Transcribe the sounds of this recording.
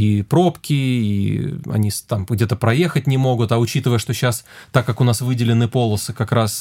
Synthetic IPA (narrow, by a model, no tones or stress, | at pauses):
ipɾo̞pkʲɪḭɐ̰nʲist̪amɡdʲe̞t̪əpɾɐje̞xət̚ʲnʲɪmo̞ɡʊt̪ɐʊt͡ɕit̪ɨvəjəʂt̪o̞ɕːast̪akːakʊnasvɨdʲɪlʲɪnɨpo̞lˠəsɨkɐkɾas